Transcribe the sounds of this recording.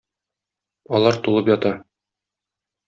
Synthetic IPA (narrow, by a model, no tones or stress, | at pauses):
ɒlˠɑɾt̪ulˠɤpjɒt̪ɑ